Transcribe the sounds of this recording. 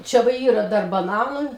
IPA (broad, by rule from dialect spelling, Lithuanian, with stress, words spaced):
ˈt͡ʃʲɛ ʋɐ ˈiːrɐ ˈdɐr bɐˈnɑːnʊ